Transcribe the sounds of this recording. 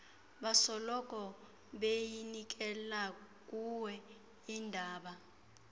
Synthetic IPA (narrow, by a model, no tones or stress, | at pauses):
ɓasɔlɔkʼɔ | ɓejinik̬ʼɛla | k̬ʼuwɛ | indʱaːɓa